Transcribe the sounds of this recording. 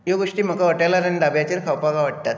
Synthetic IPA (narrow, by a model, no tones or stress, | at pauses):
joɡoʂʈiːm̤əkaʋəʈajlaɾanid̪abjat͡ɕeɾkʰawpaɡaʋəɽ̚t̪at̪